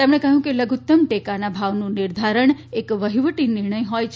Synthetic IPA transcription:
t̪emɳ̃ekəɦjũkeləɡʱut̪ːəmʈekanabʱaʋnũnɪɾd̪ʱaɾəɳekʋəɦiʋəʈinɪɾɳəjɦɔjt͡ʃʰ

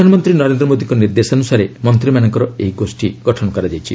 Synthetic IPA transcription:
anɔmɔnt̪ɾinɔɾend̪ɾɔmod̪iŋkɔniɾd̪esanusaɾemɔnt̪ɾimanɔŋkɔɾɔejɡosʈiɡɔʈʰɔnɔkɔɾad͡ʒajt͡ʃʰi

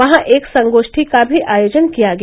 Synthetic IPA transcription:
ɐɦãʔeːksɐ̃ŋɡoːʃʈʰikabʱiʔaːjoːd͡ʒənkijaɡɐ

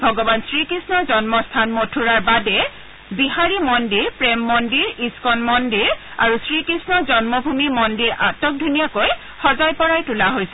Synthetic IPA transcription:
bʱɔɡɔbansɹikɹisnɔzɔnmɔstʰanmotʰuɹaɹbadɛ | biɦaɹimɔndiɹpɹɛmːɔndiɹiskɔnmɔndiɹa̰ɹusɹikɹisnɔzɔnmɔbʱumimɔndiɹʔatɔk̚dʱunijakoj | xɔzajpɔɹajtulaɦojsɛ

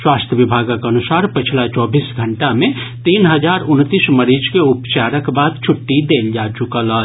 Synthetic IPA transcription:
swaːst̪ʰjəʋɪbʱaːɡkɐnʊsaːɾpɪt͡ʃʰlat͡ʃɔːbiːsɡʱəɳʈamẽt̪iːnɦəd͡ʒaːɾʊnt̪isməɾiːd͡ʒkeʊpt͡ʃaːɾəkbaːd̪t͡ʃʰʊʈːid̪eːld͡ʒaːt͡ʃʊkəla

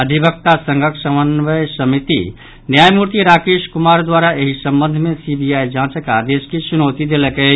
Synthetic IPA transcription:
əd̪ʱibək̚t̪asə̃ŋɡʱəksəmənʋəjsəmit̪ḭ | njajmuɾt̪iɾakeskumaɾd̪waɾaʔeɦisəmbənd̪ʱmesibijajd͡ʒãt͡ʃəkad̪eskesunot̪id̪eləkə

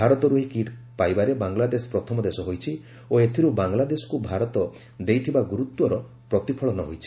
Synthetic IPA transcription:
aɾɔt̪ɔɾuɦikiʈ | pajbaɾebaŋlad̪esɔ̥pɾɔt̪ʰɔmɔd̪esɔɦojt͡ʃʰi | oet̪ʰiɾubaŋlad̪esɔ̥kubʱaɾɔt̪ɔ | d̪ejt̪ʰibaɡuɾut̪wɔɾɔ | pɾɔt̪ipʰɔɭɔnɔɦojt͡ʃʰi̥

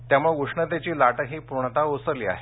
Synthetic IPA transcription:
t̪jamuɭeuʂɳət̪̬et͡ɕiːlaʈəɦiːpuɾɳ̃t̪aosəɾliːa̰ɦe

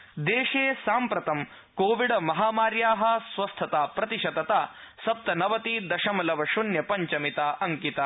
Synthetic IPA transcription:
d̪eːʃeːsaːmpɾɐt̪ɐm | koːʋiɽɐmɐɦaːmaːɾjaːɦɐ̆sʋɐst̪ʰɐt̪aːpɾɐt̪iʃɐd̪ɐt̪aː | sɐp̚t̪ɐnɐʋɐt̪id̪ɐʃɐmɐlɐʋɐʃunjɐpɐɲt͡ʃɐmit̪aːɐŋkit̪ɐ

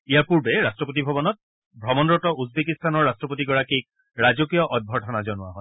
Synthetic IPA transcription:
ijaɹpuɹbɛɹastɹɔpot̬ibʱɔbɔnɔt̚ | bʱɹɔmɔnɹɔtɔuzbekistanɔɹːastɹɔpot̬iɡɔɹakik̚ | ɹazokijɔʔɔd̚bʱɔtʰɔnazɔnʊwa̰ɦɔj

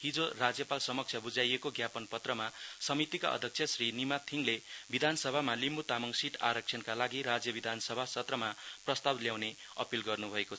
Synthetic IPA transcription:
ɦid͡zorad͡zjʌpalsʌmʌk̚t͡sʰjʌbud͡zajekoɡjapʌnpʌt̪rʌmasʌmit̪ika̰ʔʌ̰d̪ʱjʌk̚t͡sʰjʌsrinimat̪ʰiŋlebid̪ʱansʌbʱamalimbut̪amʌŋsiʈʰa̰ɾʌk̚sʰʌnkalaɡiɾad͡zjʌbid̪ʱansʌbʱasʌt̪rʌmaprʌst̪abljawne | ʌ̰pilɡʌrnubʱʌeko

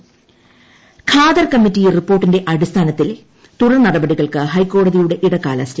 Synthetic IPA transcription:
kʰaːd̪ɐrkɐmːitːijripːo̞ːrʈːinde̞ʔɐɽist̪ʰaːnɐt̪ːil | t̪urɐnɐɽɐbɐɽiɣɐɭkɨɦɐjkːo̞ːɽɐðijuɽe̞ʔiɽɐkːaːlɐstɐ

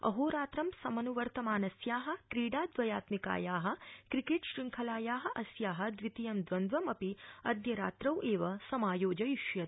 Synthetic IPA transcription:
ɐ̰ɦoːɾaːt̪ɾɐmsɐmɐnuʋɐɾt̪ɐmaːnɐsjaːɦɐ̆kɾiːɽaːd̪ʋɐjaːt̪mika̰ːjaːɦɐ̆kɾikeːʈʃɾiŋkʰɐlaːjaːɦɐ̆ʔɐsjaːɦɐ̆d̪ʋit̪ijɐmd̪ʋɐnd̪ʋɐmɐpiɐd̪jɐɾa̰ːt̪ɾɐwʔeːʋɐsɐmaːjoːd͡ʒɐjiʃjɐt̪

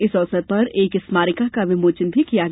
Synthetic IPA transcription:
ɪsɔːsəɾpɐɾeːkɪsmaːɾɪkakaʋɪmoːt͡ʃənbʱikijaɡ

